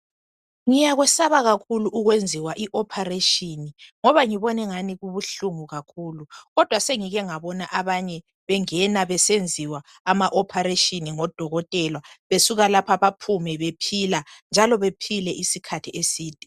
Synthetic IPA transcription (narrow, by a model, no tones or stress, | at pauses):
ŋijaɣwɛsaβaɣakʰuluʔuɣwend͡zʱiwaʔiʔɔpʰareʃʼiniŋɔβaŋiβɔnɛŋaniɣuβuɬuŋuɣakʰuːluɣɔd̥ʱwaseŋiɣɛŋaβɔnaʔaβaɲɛ | βɛŋɛnaβɛsend͡zʱiwaː | maʔɔpʰaɾeʃʼiniŋɔd̥ʱɔɣɔtʼɛlwaβesuɣalapʰaβapʰumɛβepʰiland͡ʒʱalɔβepʰilɛʔisikʰatʰiʔesiːd̥ʱi̥